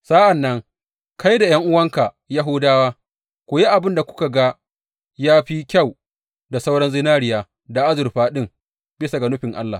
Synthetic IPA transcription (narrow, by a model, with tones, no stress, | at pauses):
sa˦ʔa˨nːɐ˦ŋ | ka˦jda˨jɐ˦ŋʔʊ˦wɐ˦ŋka˨ | ja˦ɦʊː˦daː˦waː˦ | kʷʊ˨je˦ʔa˨bɪ˦nda˨kʷʊ̥˦ka˨ɡa˦ | jaː˦ɸi˦kʲa˦˨w | da˨sa˦wɽɐ˦nzɪ˦naː˦ɽɪ˨jaː˨ | da˨ʔa˦zʊ˨rɸaː˦ɗɪ˦ŋ | bɪ˦sa˨ɡa˨nʊ˦ɸɪ˨ŋʔa̰˦lːa̰ː˨